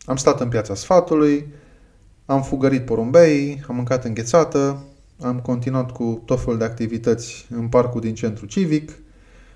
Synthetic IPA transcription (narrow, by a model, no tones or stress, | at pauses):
amst̪at̪ɨnp̬jat̪sasfat̪uluj | amfuɡəɾit̪̚poɾombeiamːɨŋkat̪ɨŋɡʲe̞t̪sat̪ə | amko̞nt̪inuat̪kut̪ot̪fe̞luld̪e̞ak̚t̪ivit̪ət̪sʲɨnparkud̪int͡ʃe̞nt̪ɾut͡ʃivik